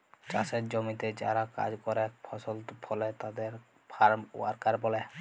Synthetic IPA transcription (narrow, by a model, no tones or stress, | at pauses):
t͡ʃa̰seɾd͡ʒɔmit̪ed͡ʒa̰ɾaka̰d͡ʒkɔɾepʰɔsɔlt̪pʰɔlet̪ad̪eɾ | pʰaɾmṵwaɾkaɾbɔlɛ